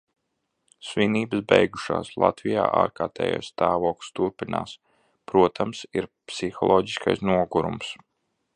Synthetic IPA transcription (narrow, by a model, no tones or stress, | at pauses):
sviniːbɨsbɛjɡuʃa̰ːslˠa̰t̪vija̰ːʔaːɾkaːɾt̪ʰɛ̰ːjo̰ːjsst̪aːvɔːkˠst̪uɾpina̰ːs | pɾuɔt̪ʰamsiɾpsixɔlˠɔːɟiskajsnuɔɡuɾṵms